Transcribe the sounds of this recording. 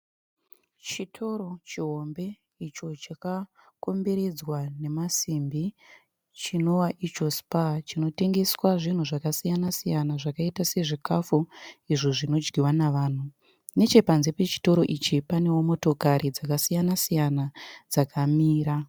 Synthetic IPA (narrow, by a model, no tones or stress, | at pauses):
t͡ʃitʰo̞ɾo̞t͡ʃiɦombe̞ | it͡ʃo̞t͡ʃaka | ko̞mbe̞ɾe̞d͡zwane̞masimbi | t͡ʃino̞waʔit͡ʃo̞spat͡ʃino̞te̞ŋɡe̞swaʐin̤uʐakasijanasijanaʐakaitase̞ʐikafuiʐoʐino̞d͡ʒɡiwanaʋaːn̤u | ne̞t͡ʃe̞panzepe̞t͡ʃi̥to̞ɾo̞ʔit͡ʃipane̞womo̞to̞kaɾid͡zakasijanasijanad͡zakʰamiːɾa